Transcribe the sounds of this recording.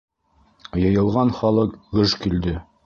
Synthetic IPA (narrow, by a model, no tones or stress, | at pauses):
jɤ̆jɤ̆lˠʁɑnχɑlˠɤqɡɵʃkild̪ɘ